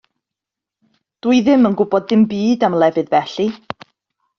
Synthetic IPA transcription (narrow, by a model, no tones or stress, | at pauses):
d̥uɨðɪmənɡʊbɔd̚ðɪmbiːdamlˠɛvɨðvɛɬi